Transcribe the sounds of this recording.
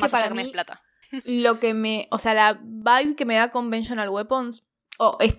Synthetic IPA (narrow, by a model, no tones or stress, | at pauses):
kaepaɾakemeiplat̪a | lo̞ke̞me̞ʔose̞alaβajβke̞me̞ðako̞mbenʃonalwepons | oʔes